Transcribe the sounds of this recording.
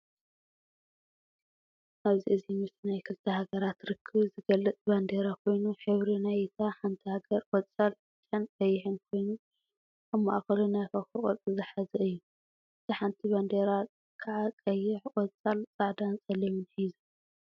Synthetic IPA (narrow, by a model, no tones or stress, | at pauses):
ʔaβziʔɨzimɨsnajkʰɨlt̪ʰɐhaɡɐɾat̪ɾɨkʰːɨβzɨɡɐlːɨt͡s̪ʼband̪eɾakʰo̞jnuħɨβɾinajt̪ʰaħant̪ʰihaɡɐɾʼɔt͡sʼalfɨt͡ʃʼːɐnkʼɐjːɪħɨnkʰo̞jnu | ʔaβma̰ʔxɐlunajfɐxɨχʼɔ̰tʼɨzɨħazɐɨjːu | ʔɨt̪ʰiħant̪ʰiband̪eɾa | kʰaʕakʼɐjːɪʕkʼɔt͡sʼalt͡sʼaʕd̪ansʼɐlimɨnħizu